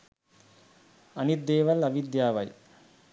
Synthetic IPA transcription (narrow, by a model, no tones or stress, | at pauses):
ɐnit̪̚d̪eːʋɐlɐʋid̪jaːʋɐj